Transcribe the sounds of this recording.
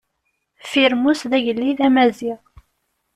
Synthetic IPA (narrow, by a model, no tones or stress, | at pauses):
fiɾmusðæʝəlːiðæmæziʁ